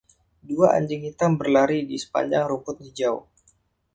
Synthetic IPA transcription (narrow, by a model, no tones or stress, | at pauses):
duaʔa̰ɲd͡ʒɪŋit̪ambərlaɾidisə̥pa̰ɲd͡ʒa̰ŋɾumpʊt̪̚nid͡ʒau